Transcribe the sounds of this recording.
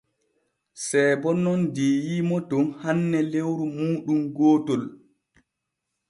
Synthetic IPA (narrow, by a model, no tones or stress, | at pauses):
sɛːbɔnɔndeːjimɔtɔnhanːɛlewɾumuːɗumɡoːtɔl